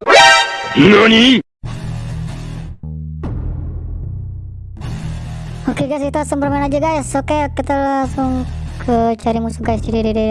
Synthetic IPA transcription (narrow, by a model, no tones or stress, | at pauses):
noni | okeɡasit̪uasʊŋbərmanad͡ʒaɡaɪsokekit̪əlaŋsʊŋ | kʰət͡ʃaɾimusuɡaɪsd͡ʒididide